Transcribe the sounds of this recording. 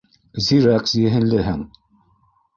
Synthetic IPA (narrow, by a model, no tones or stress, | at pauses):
ziɾæksjɘ̆ɦɘ̆nlɘɦɘŋ